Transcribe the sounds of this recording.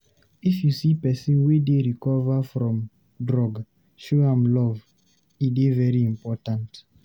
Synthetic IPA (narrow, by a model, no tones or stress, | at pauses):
ifjusipɛsĩnwideɹikɔvafɹɔ̃m | dɹɔɡ | ʃoãmlɔv | idevɛɹiĩmpɔtãnt